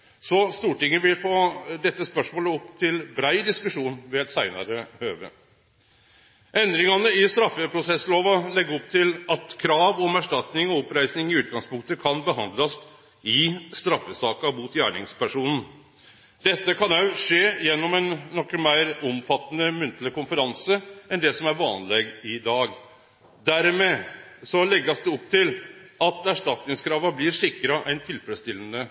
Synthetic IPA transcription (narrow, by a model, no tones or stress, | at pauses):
sɔst̪uːʈɪŋːəʋɪlfoːd̪ɛt̪ːəspœʂmoːləɔpːt̪ʰɪlbɾæɪd̪ɪskʉʂuːnʋɛɛt̪sæɪnɑ̰ɾəhøːʋə̰ | ʔɛnd̪ɾɪŋɑnəɪst̪ɾɑfːəpʰɾʊsɛsːloːʋɑlɛɡːəɔpt̪ʰɪlɑt̪kʰɾɑːʋɔmæʂʈɑt̪nɪŋɔɔpɾæɪsnɪŋɪʉːt̪̚ɡɑŋspʊŋk̚t̪əkʰɑnbəɦɑnd̪lɑs | ɪst̪ɾɑfːəsɑːkɑmuːt̪jæ̰ːɳɪŋspʰæʂuːnn̩ | d̪ɛt̪ːəkʰɑnɑʉʂeːjɛnːɔmɛnːɔkːəmæɪɾɔmfɑt̪ːənəmʉnt̪ləkʊnfəɾɑnsəɛnd̪ɛsɔmæɾʋɑːnleːɡɪd̪ɑːɡ | d̪æɾmɛsɔlɛɡːɑsd̪ɛɔp̚ːt̪ɪlɑt̪æʂʈɑt̪nɪŋskʰɾɑːʋɑblɪɾʂɪkːɾɑʔɛnt̪ʰɪlfɾɛst̪ɪlːənə